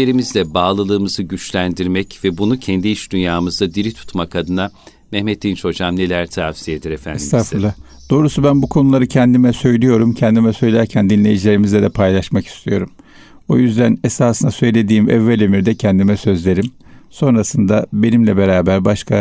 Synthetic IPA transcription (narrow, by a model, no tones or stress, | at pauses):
eɾimizd̪ʲɛbaːlˠɯlˠɯːmɯzɯɟyt͡ʃlʲænd̪iɾmɛcvɛbunucʰɛnd̪iiʃd̪ynjaːmɯzd̪ad̪iɾit̪ʰu̥t̪makad̪ɯna | mɛhmet̪ʰːint͡ʃʰo̞d͡ʒamnelʲæɾt̪ʰavsijed̪iɾefæ̰nst̪ʰafɯlˠa | d̪̥o̞ːɾusubænbukʰonulˠaɾɯcʰɛnd̪imɛsø̞jlʲijo̞ɾumcʰɛnd̪imɛsø̞jlʲæɾcʰænd̪inlʲe̞jid͡ʒilʲe̞ɾimizlʲɛd̪ɛpʰajlˠaʃmaki̥st̪ʰijo̞ɾum | o̰jyzd̪æne̞saːsɯnasø̞jlʲe̞d̪iːmɛvːælʲømiɾd̪ɛcʰɛnd̪imɛsø̞zlʲe̞ɾim | so̞nɾasɯnd̪abe̞nimlʲɛbe̞ɾaːbæɾbaʃkʰa